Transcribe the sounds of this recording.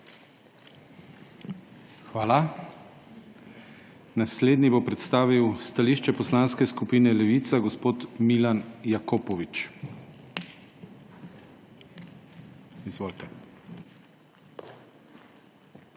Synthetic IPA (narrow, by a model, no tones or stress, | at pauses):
xʋaːla | nasleːd̪nibopɾɛt̪st̪aːʋiwst̪aliʃt͡ʃɛpɔslanskɛskupiːnɛlɛʋit̪saɡɔspoːt̪milanjakopɔʋit͡ʃ | izʋoːlt̪ɛ